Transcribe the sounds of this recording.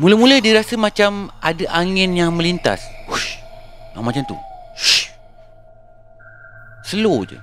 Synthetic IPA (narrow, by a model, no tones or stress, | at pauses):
muləhmũləhdiɾasəmãt͡ʃamadaʔaŋɪnjaŋmə̃lint̪a̰s | a̰mat͡ʃamt̪ṵ | səlod͡ʒə̰